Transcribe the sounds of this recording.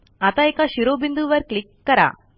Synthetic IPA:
ɐt̪ɐjkaʃiɾoːbind̪uʋɐɾklikːɐɾa̰ː

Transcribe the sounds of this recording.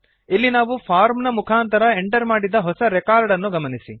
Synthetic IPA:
ilːinaːʋupʰaːɾmnɐmukʰaːnt̪ɐɾɐeɳʈɐɾmaːɽid̪ːɐɦɔsɐɾɛkaːɾɖɐnːuɡɐmɐnisḭ

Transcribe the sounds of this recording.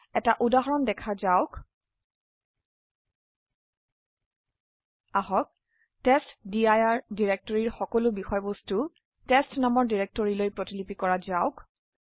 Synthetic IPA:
ɛtaʔudaɦɔɹɔndɛkʰazaʊk | aɦɔk̚ | testdiajaɹdiɹek̚tɔɹiɹxɔkɔlʊbixɔjbɔstu | testnamɔɹdiɹek̚tɔɹilojpɹɔtilipikɔɹazaʊk

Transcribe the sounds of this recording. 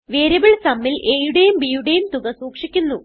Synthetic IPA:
ʋeːɾɐbɐɭsɐmːilʔe̞ːjuɽe̞jumbiːjuɽe̞jumt̪uɣɐsuːkʂikʲːunːu

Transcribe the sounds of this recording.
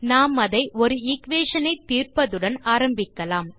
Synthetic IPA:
naːmɐðɐɪʔɔɾɯɪkʋeːʂɐnɐɪt̪ːiːrpɐðɯɽɐnaːɾɐmbɪkːɐlaːm

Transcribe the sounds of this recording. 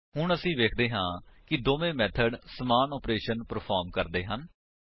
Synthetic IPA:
ɦʊɳəsĩːʋeːkʰd̪eːɦãːkɪd̪oːʋẽːmɛːt̪ʰəɖsəmaːnɔːpɾeːʃənpəɾpʰɔːɾmkəɾd̪eːɦən

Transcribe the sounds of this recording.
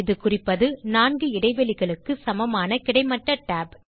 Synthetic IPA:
ɪðɯkʊrɪpːɐðɯnaːnɡɯɪɽɐɪʋɐlɪɣɐɭɯkːɯsɐmɐmaːnɐkɪɽɐɪmɐʈrɐʈːaːb

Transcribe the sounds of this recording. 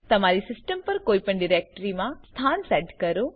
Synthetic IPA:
t̪ɐmaːɾisɪsʈəmpɐɾkoːipəɳɖɪɾeːk̚ʈəɾimãst̪ʰaːnsɛːʈkɐɾoː

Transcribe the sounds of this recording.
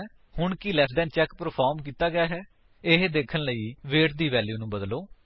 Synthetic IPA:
hʊɳkɪlɛːpʰɖ̪ɛːnt͡ʃɛːkpəɾpʰaːɾmkiːt̪aːɡɪjaːɦɛː | ɪɦd̪eːkʰənləiːʋeːʈd̪iːʋɛːljuːnũːbəd̪loː

